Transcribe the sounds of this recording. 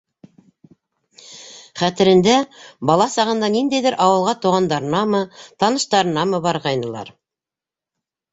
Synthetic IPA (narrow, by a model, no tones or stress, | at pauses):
χæt̪ɘ̆ɾɘ̆nd̪æbɑlˠɑsɑʁɤ̆nd̪ɑnind̪æjðɘɾʔɑwɤ̆lˠʁɑt̪uʁɑnd̪ɑɾɤ̆nɑmɤt̪ɑnɤ̆ʃt̪ɑɾɤ̆nɑmɤbɑɾʁɑjnɤ̆lˠɑ̰ɾ